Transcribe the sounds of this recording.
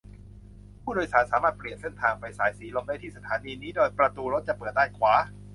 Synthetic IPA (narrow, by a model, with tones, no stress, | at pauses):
pʰuː˥˩doː˧jsaː˩˦nsaː˩˦maː˥˩t̪̚pli˨˩ənse˥˩nt̪ʰaː˧ŋpa˧jsaː˩˦jsiː˩˦lo˧mda˥˩jt̪ʰiː˥˩sa˧t̪ʰaː˨˦niː˧niː˦˥doː˧jpɾa˧t̪uː˧ɾo˦˥t̪̚t͡ɕa˨˩pɤː˨˩t̪̚daː˥˩kʰwaː˩˦